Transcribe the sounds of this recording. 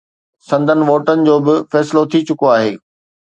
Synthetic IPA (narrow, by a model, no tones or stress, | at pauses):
sɐ̃nd̪ʱənɪ̆ʋoːʈənɪ̆d͡ʑoːbɪfɛːsɪlot̪ʰit͡ɕʊkoaːɦḛː